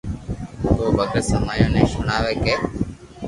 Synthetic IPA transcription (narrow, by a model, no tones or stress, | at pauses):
ɦoːbʱəɡəɾsəmaːjõːnẽːʃʊɳaːʋeːkeː